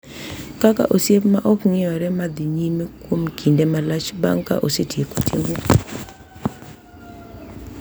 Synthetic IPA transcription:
kaka̰ʔosjepmaʔɔkŋɪɔɾɛmad̪iɲimekwomkʰindemalat͡ʃba̰ŋka̰ʔosetjekotʰḭm

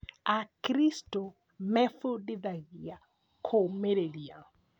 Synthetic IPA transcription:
akɾisto | mɛfudiðaɣia | kʰomeɾeliaŋ

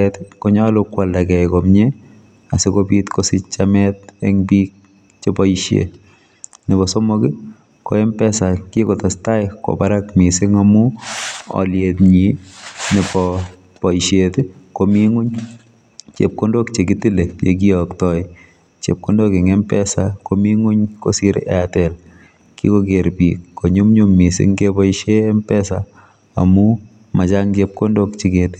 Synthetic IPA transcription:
ɛtkoɲalʊkwaldakɛjkɔmɲe | asɪkopitkosit͡ʃamɛt̚ɛŋbik̚ | t͡ʃepɔiʃḛ | nɪbɔsomokɪ | ko̰ɛmpɛsakikotastajko̰paɾakmisɪŋamu | ɔ̰ljetɲinɪbɔ | pɔiʃjetkomiŋuɲ | t͡ʃḛp̚kondok̚t͡ʃek̬itilejḛk̬iɔktɔj | t͡ʃḛp̚kondokeŋempɛsakomiŋuɲkosiɾɛ̰atɛl | kḭkokeɾpikːoɲumɲumːisɪ̰ŋkepɔiʃempɛsa | a̰mu | mat͡ʃaŋt͡ʃep̚kondok̚t͡ʃiketɪ̥

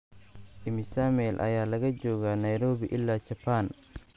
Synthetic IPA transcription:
ʔɪmɪsamɛlʔɐ̰jaːlɐɣɐd͡ʒɔːɣanɐjɾɔːβiʔɪlːaːt͡ʃɐpʰan

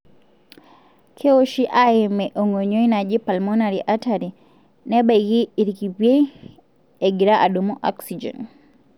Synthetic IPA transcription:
kʰɛoʃiʔaɛmɛʔɔŋoɲoinad͡ʒipalmɔnaɾiʔataɾi | nɛbaɣiiɾikipjei | ɛɡiɾaʔaɗumɔʔɔ̰ksid͡ʒɛ̰n

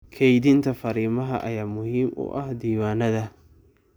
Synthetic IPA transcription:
kʰɛjdɪnt̪ʰɐfɐɾiːmɐɦɐ̰ʔɐ̰jaːmʊhiːmʊ̰ʔɐhd̪iːwaːnɐðɐ

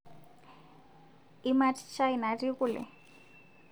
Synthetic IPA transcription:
imatʰʼt͡ʃʰainariɣʊlɪ̰

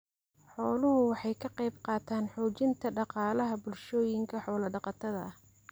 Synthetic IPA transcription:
ħɔːlʊɦʊwɑħɑjkʰɐqɑjbqɑːt̪ʰaːnħuːt͡ʃɪnt̪ʰɐɖɑqɑːlɐɦɐbʊlʃɔːjɪŋkʰɐħɔːlɐɖɑqɑt̪ʰɐðɐh

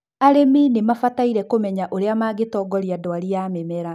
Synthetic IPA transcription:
aɾeminemafataiɾɛkomɛɲaʔoɾeamaːɡetɔːɡɔɾiadɔwaɾiamemɛɾa

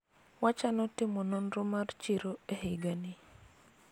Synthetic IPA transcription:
wat͡ʃanɔtɪmɔnonromart͡ʃiɾoehɪɡanɪ

